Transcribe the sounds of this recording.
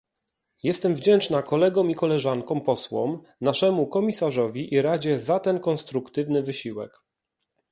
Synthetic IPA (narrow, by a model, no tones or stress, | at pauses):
jɛst̪ɛmvd͡ʑɛnt͡ʂnakɔlɛɡɔ̃mikɔlɛʐaŋkɔ̃wpɔswɔ̰m | naʂɛmukɔmʲisaʐɔvʲiʔiɾad͡ʑɛzat̪ɛnkɔnst̪ɾukt̪ɘvnɘvɘɕiwɛ̰k